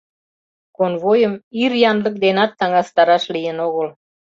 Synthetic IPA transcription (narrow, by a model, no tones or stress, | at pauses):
konβojəmirjɑnlə̆k̚d̪enɑt̪ːɑŋɑst̪ɑɾɑʃlijənoɣə̆l